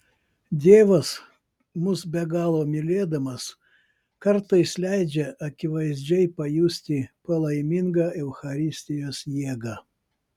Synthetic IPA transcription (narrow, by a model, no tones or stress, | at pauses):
d̪ʲeːʋɐs | mʊsbʲɛɡɑːlˠoːmʲɪlʲeːd̪ɐmɐs | kɐɾt̪ɐɪslʲæɪd͡ʒʲɛʔɐkʲɪʋɐɪzʲd͡ʒʲɛɪpɐjuːsʲt̪ʲɪpɐlˠɐɪmʲɪŋɡɑːʔɛʊxɐɾʲɪsʲt̪ʲɪjoːsjiɛɡɑː